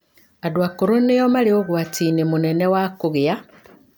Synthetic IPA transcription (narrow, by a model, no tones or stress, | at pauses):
adwakoɾonejomalioɣwatinemunenewakuɣea